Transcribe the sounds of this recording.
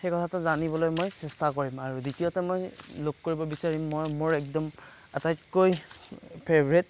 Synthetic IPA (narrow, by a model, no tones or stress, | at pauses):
xɛkɔtʰatʊzanibɔlojmojsɛstakoɹimaɹuditiotɛmojlokkoɹibɔbisaɹimːojmoɹɛk̚dɔm | atajtkojpʰeɹbɹet̚